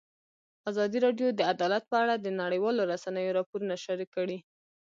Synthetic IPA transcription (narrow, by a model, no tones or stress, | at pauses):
azɑd̪iɾɑɖjod̪əad̪ɑlat̪̚pəaɽad̪ənaɽəjwɑloɾasanəjoɾɑpoɾunaʃaɾikːəɽi